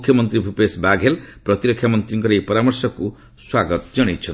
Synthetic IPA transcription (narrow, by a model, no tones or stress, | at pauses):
ukʰjʌmʌnt̪ɾibʱupesbaɡʱelprʌt̪iɾʌkʰjamʌnt̪ɾiŋkʌɾejpʌɾamʌrsʌku | swaɡʌt̪d͡zʌɽ̃it͡sʰʌn